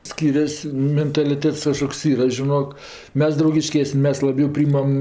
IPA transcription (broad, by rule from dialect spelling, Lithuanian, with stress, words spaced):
ˈsʲkʲiːrʲɛsʲ mʲɛntɐlʲɪˈtʲɛts ˈkɑːʃkoːks ˈiːrɐ ʒʲɪˈnoːk ˈmʲɛs drɐʊɡʲɪˈʃʲkʲæːsʲnʲɪ ˈmʲɛs ˈlˠɑːbʲɛʊ ˈpʲrʲiːjɪmɐm